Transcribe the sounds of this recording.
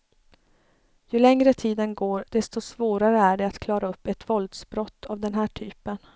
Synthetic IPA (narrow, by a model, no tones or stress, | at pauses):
jɵlɛŋɾət̪ʰiːd̪ənɡoːɾd̪ɛst̪ɔsvoːɾaɾəæɖɛat̪kʰlɑːɾaɵpːɛt̪vɔld̪sbɾɔt̪ʰːavd̪ɛnɦæːʈʰyːpən